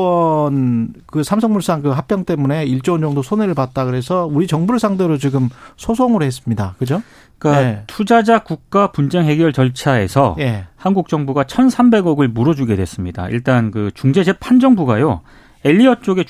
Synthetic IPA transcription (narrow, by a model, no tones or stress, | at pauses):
ʌnkɯsʰamsʰʌŋmuɭs͈aŋkɯɦap̚p͈jʌŋt͈e̞mune̞iɭt͡ɕ͈ond͡ʑʌŋdosʰoneɾɯɭpat̚t͈akɯɾe̞sʰʌuɾit͡ɕʌŋbuɭs͈ʰaŋdeɾot͡ɕiɡɯmsʰosʰoŋɯɾhe̞s͈ɯmɲidakɯd͡ʑo | kajtʰud͡ʑad͡ʑakuk̚k͈apund͡ʑe̞ŋɦe̞ɡjʌɭt͡ɕʌɭt͡ɕʰae̞̰sʰʌje̞hanɡuk̚t͡ɕ͈ʌŋbuɡat͡ɕʰʌnsʰambe̞ɡʌɡɯɭmuɾʌd͡ʑuɡe̞dwes͈ɯmɲida̰ḭɭt͈ankɯt͡ɕuŋd͡ʑe̞d͡ʑepʰand͡ʑʌŋbuɡajo | e̞ʎːiʌt͡ɕ͈oɡe̞